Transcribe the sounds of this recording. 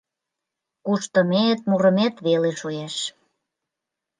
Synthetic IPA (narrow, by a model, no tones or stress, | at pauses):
kuʃt̪əmet̪̚muɾəmet̪βeleʃujeʃ